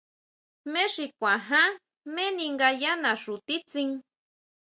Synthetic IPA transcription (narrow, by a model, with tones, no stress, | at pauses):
mẽ˦ʂi˧kʷã˨ɦã˦ | mẽ˦nĩ˧ŋɡa˧ja˦nã˨ʂu˨t̪i˦t͡sĩ˧ŋ